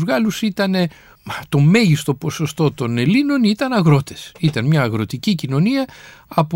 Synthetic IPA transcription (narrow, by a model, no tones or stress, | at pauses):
zɣɐlusit̪ɐne̞ | t̪o̞me̞ʝist̪o̞po̞so̞st̪o̞t̪o̞ne̞lino̞nit̪ɐnɐɣɾo̞t̪e̞̥sit̪ɐnmɲɐːɣɾo̞t̪icicino̞niɐɐp